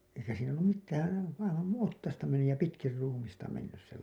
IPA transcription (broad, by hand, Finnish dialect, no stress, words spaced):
eikæ siːn olːum mitːæːn̥ ɑiʋɑn nuĩː otːɑstɑ menːyj jɑ pitkir ruːmistɑ menːys se